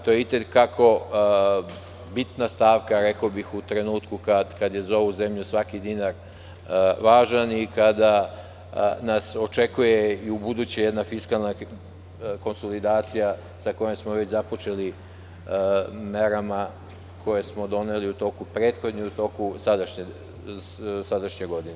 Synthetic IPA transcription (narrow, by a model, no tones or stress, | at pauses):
t̪o̞jeit̪ekakʰo̞ | bit̪nast̪aːʋkaɾekobixut̪ɾe̞nuːt̪kukad̪kad̪je̞zao̞ʋuzemʎusʋakid̪inaɾ | ʋaːʒanikad̪a | naso̞t͡ʃe̞kuje̞iubud̪ut͡ɕejed̪nafiskalˠna | ko̞nso̞lid̪aːt̪sija | sako̞jemsmoʋe̞t͡ɕzapo̞t͡ʃe̞li | me̞ɾama | kʰo̞je̞smod̪o̞neliut̪o̞ːkupɾeːt̪xo̞d̪ɲiut̪o̞ːkusad̪aʃɲe | sad̪aʃɲeɡo̞d̪ine